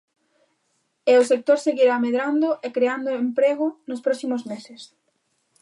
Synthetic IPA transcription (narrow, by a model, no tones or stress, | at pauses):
ɛʊsek̚t̪oɾseɣiɾameðɾand̪ʊʔekɾeand̪ʊempɾeɣʊnʊspɾɔsimozmeses